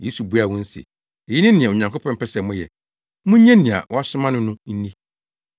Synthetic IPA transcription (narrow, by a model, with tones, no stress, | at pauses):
je˦su˨bu˦a˨wɔ̃˦n̩˦sḭ˨ | e˨ji˦nɪ̃˦nɪ̃˨ɛ̃˨ɲã˨ŋkʰo˦pʰɔ̃˦m̩˦pʰɛ˦sɛ˨mʊ̃˦jɛ̰˨ | mʊ̃˦ɲɛ̃˦nɪ̃˨a̰˨wʔɔ˦a˦ɕɪ˦mã˦nʊ̃˦nʊ̃˦n̩˦nĩ˦